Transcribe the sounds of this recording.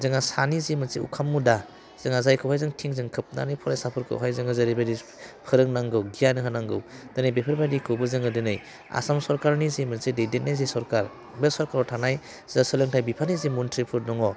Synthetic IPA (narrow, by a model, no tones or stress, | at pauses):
zɯŋasanizemɯnseṵkʰamːuda | z̥ɯŋazajkʰɯwhajzɯŋtʰiŋzɯŋkʰɯp̚na̰nɯjpʰɔɾajsapʰɯɾkʰɯ̰wɦajzɯŋɯzaɾibadi | pʰɯɾɯŋnaŋɡɯwɡijanɯɦɯnaŋɡɯwd̥ɯnɯjbepʰɯɾbadikʰɯwbɯzɯŋɯdɯnɯj | a̰samsɔɾkaɾnizemɯnsedejdenajzesɔɾkaɾ | besɔɾkaɾɔtʰanaj | zasɯlɯŋtʰajbipʰanizemuntʰɾipʰɯɾdɔŋɔ